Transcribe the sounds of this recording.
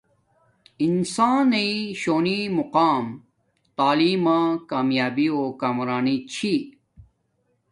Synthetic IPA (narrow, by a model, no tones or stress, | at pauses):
insaːneiɕoːnimuqaːm | t̪aːliːmãːkaːmjaːbioːkaːmɾaːnit͡ɕʰi